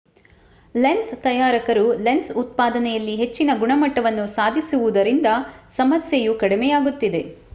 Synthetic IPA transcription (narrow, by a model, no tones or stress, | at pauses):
lenst̪ɐjaːɾɐkɐɾulensut̪̚paːd̪ɐnɛjɐlːiɦe̞t͡ʃːinɐɡuɳɐmɐʈːɐʋɐnːusaːd̪ʱisuʋud̪ɐɾind̪ɐsɐmɐsjejukɐɽimɛjaːɡut̪ːid̪e̞